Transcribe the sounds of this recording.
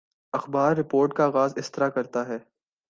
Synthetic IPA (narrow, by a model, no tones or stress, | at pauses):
ɐxbaːɾːɪpoːɾʈkaɣaːzɪst̪ɪɾakɐɾt̪aɦɛː